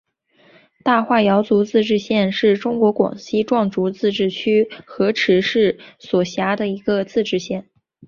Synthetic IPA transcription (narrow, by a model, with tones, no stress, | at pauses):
t̪a˥˧xwa˥˩jɑ˧˥ʊt͡su˧˥t͡sɹ̩˥˧ʈ͡ʂɻ̩˥˧ɕjɛ˥˧nʂɻ̩˥˩ʈ͡ʂʊ˥ŋkwɔ˧˥kwɑ̰˨˩ŋɕi˥ʈ͡ʂwɑ˥˩ŋʈ͡ʂu˧˥t͡sɹ̩˥˧ʈ͡ʂɻ̩˥˩t͡ɕʰy˥xɤ˧˥ʈ͡ʂʰɻ̩˧˥ʂɻ̩˥˩swɔ˨˩ɕja˧˥d̪ə˨i˧˥ɡə˧t͡sɹ̩˥˧ʈ͡ʂɻ̩˥˧ɕjɛ˥˩n